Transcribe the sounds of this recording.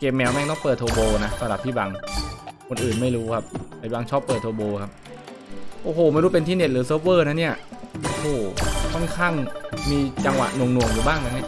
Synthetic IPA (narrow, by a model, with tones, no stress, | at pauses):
ke˨˧˩p̚mɛː˧wmɛː˥˩k̚nɔː˦˥˩pəɤː˨˩t̪ʰːoː˧boː˧na˦˥sa˧ɾa˨˩p̚t̪ʰiː˥˩ba˧ŋkʰo˧nʔɯː˨˩nma˥˩jɾuː˦˥kʰa˦˥p̚ʰaː˨˩ba˧ŋt͡ɕʰɔː˦˥pːɤː˨˩t̪ʰːoː˧boː˧kʰa˦˥p̚ | ʔoː˧˩hoː˨˩ma˥˩jɾuː˦˥pe˧nt̪ʰiː˥˩ne˧˨˩t̪̚ɾɯː˩˦sɤː˦˥p̚wɤː˥˩na˦˥ni˥˩ɐʔoː˧˩hoː˨˩kʰɔ˥˩nkʰaː˥˩ŋmiː˧t͡ɕa˧ŋwa̰˨˩ʔnu˧˩əŋnu˧˩əŋjuː˨˩baː˥˩ŋt̪aː˧˩ma˥˩